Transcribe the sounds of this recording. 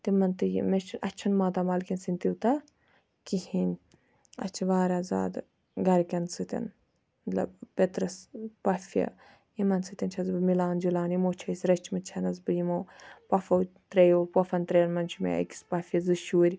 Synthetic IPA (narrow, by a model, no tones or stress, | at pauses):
t̪imɐnt̪ɨjḭmet͡ʃʰʔɐ̰t͡ʃʰɐnmaːt̪amɐlkʲɐnsinʲt̪iwt̪ɐ | kihinʲ | ɐ̰t͡ʃʰiʋaːɾaːza̰ːd̪ | ɡɐɾkʲɐnsɨt̪ʲɐ̰n | mɐt̪lɐ̰bpʲet̪ɾɐspɐfjɐ̰ | jimɐnsɨt̪ʲɐnt͡ʃʰɐzbɨmilaːnd͡ʒilaːnjimoːt͡ʃʰɐsʲɾɐt͡ʃʰimɨt͡ʃʰɐnɐzbɨjimoːpɐfɐwt̪ɾɐjoːpɐfɐnt̪ɾɐjnmɐnt͡ʃʰimʲḛɐ̰ki̥spɐfʲɐzɨʃuːɾʲi